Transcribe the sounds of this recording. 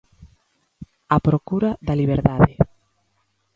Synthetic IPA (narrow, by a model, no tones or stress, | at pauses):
apɾokuɾaðɐliβ̞eɾðaðe